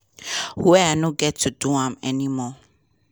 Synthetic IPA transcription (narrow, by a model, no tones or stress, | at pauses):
hwɛanõɡɛtʰːuduãmɛnimɔ